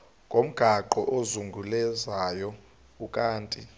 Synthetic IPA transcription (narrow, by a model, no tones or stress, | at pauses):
ŋʱom̩ɡ̥ʱaǃɔʔozuŋɡʱulɛzajɔ | ukʼaːntʼi